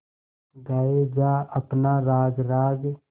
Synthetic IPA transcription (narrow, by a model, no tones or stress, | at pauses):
ɡaːed͡ʒaːəpnaɾaːɡɾaːɡ